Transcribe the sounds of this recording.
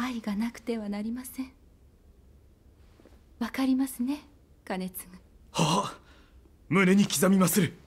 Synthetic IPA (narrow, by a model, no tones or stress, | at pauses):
aiɡanakɯ̟̥t̪e̞βanaɾʲimasẽɴ̃ | βakaɾʲimasɨne̞ | ɡ̥ane̞t͡sɨmɯ | ha | mɯ̟ɾe̞ɲ̟ikʲizamʲimasɨɾɯ̟